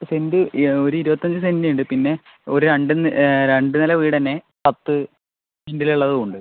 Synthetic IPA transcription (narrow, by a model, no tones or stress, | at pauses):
sendɨo̞ɾuiɾubɐt̪ːɐɲd͡ʑɨsendiuɳɖɨpinːe̞ | o̞ɾuɾeɳɖɨɾeɳɖɨnɐlɐʋiːɽɐnːe | pɐt̪ːɨ | sendiluɭːɐðɨuɳɖɨ